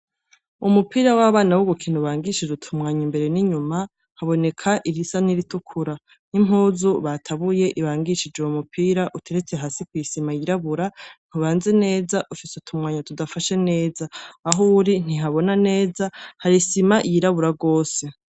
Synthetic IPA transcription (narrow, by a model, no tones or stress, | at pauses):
umupiːɾawaβaːnawuɡukʰiːnuβaːŋɡiʃid͡ʒutʰumŋaːɲimbe̞ɾe̞niɲuma | haβo̞ne̞kʰaʔiɾisaniɾitukʰuɾa | nim̥ɦuːzuβatʰaβuje̞ʔiβaːŋɡiʃid͡ʒeumupʰiːɾaʔutʰe̞ɾe̞t͡seɦasikwujisimajiɾaβuɾan̥uβaːnze̞ne̞ːzaʔufiseutʰumŋaːɲatudafaʃe̞ne̞ːzaːɦuɾin̥iɦaβo̞nane̞ːzahaɾisimajiɾaβuɾaɡo̞ːse̞